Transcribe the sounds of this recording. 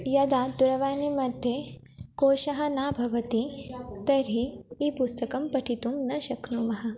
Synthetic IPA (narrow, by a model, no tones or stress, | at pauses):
jɐd̪ad̪uɾɐʋaːnimɐd̪ʱje | koːʃɐɦɐ̆naːbʱɐʋɐt̪it̪ɐɾɦiipust̪ɐkɐmpɐʈʰit̪umnɐʃɐknumɐɦɐ